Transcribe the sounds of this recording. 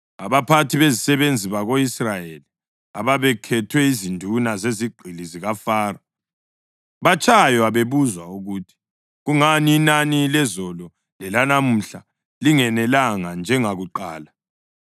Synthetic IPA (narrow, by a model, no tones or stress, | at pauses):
aβapʰatʰiβezisɛβend͡zʱiβaɣoisrajeli | aβaβɛkʰɛtʰwɛizindʱunazeziɡ͡ǃʱiliziɣafaːra | βat͡ʃʰʼajɔaβeβuzwauɣuːtʰi̥ | ɣuŋaniːnanilɛzɔlɔ | lɛlanamuɬa | liŋɛnɛlaŋand͡ʒʱɛŋaɣuǃaːla